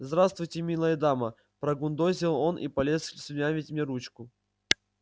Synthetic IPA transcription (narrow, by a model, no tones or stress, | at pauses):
zd̪ɾast̪vʊjtʲɪmʲilˠəjɪd̪amə | pɾɐɡund̪ozʲɪlˠonʔḭpɐlʲeslʲsʲʊnʲavʲitʲmʲnʲeɾut͡ɕkʊ